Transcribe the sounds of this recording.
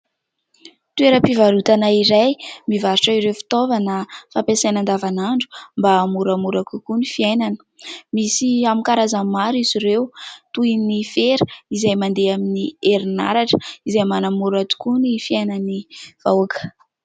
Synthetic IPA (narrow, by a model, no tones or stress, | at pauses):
t̪ueɾəpivalut̪anaiɾajmivaɾiʈ͡ʂəiɾewfi̥t̪ovanəfampesajnand̪avanaɳɖ͡ʐu̥mbamuɾamuɾakukunifiajnanə̥ | misiamikaɾazamaɾiziɾewt̪ujnifeɾə̥izajmand̪eaminieɾina̰ɾaʈ͡ʂə̥izajmanamuɾat̪u̥kunifiajnaniv̥awakə̥